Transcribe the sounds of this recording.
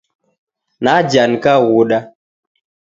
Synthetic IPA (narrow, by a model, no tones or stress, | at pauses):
nad͡ʒankawuɗa